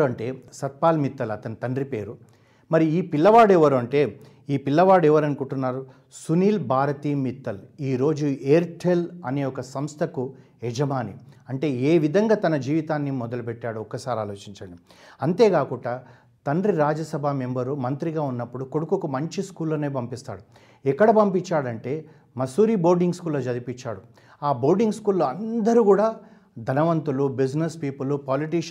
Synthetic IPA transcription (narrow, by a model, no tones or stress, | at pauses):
ɐɳʈe̞ːsɐt̪̚paːlmit̪ːɐlɐt̪ɐnit̪ɐɳɖripe̞ːɾu | mɐɾiiːpilːɐʋaːɽɛʋɐɾuɐɳʈe̞ː | iːpilːɐʋaːɽuɛʋɐɾɐnukuɳʈunːaːɾu | suniːlbʱaːɾɐt̪iːmit̪ːɐliːɾo̞ːd͡ʒueːɾʈʰelɐneːɔkɐsɐmst̪ʰɐku | ɛd͡ʒɐmaːniɐɳʈe̞ːeːʋid̪ʱɐŋɡaːt̪ɐnɐd͡ʒiːʋit̪aːnːimɔd̪ɐlupɛʈːaːɽuɔkːɐsaːɾiaːloːt͡ʃiɲt͡ʃɐɳɖiɐnt̪e̞ːkaːkuɳɖaː | t̪ɐnɾiɾaːd͡ʒɐsɐbʱaːmembɐɾumɐnt̪ɾiɡaːunːɐpːuɽukoɽukukumɐɲt͡ʃiskuːlːɐːneːpɐmpist̪a̰ːɽu | ɛkːɐɽɐpɐmpit͡ʃːaːɽɐɳʈe̞ː | mɐsuːɾiːbo̞ːɾɖiŋɡskuːlːoːd͡ʒɐd̪ipiɲt͡ʃːaːɽu | aːbo̞ːɾɖiŋɡskuːlːoːɐnd̪ɐɾuːkuːɽaː | d̪ʱɐnɐʋɐnt̪ulubid͡ʒnɐspiːpulupaːliʈiːʂ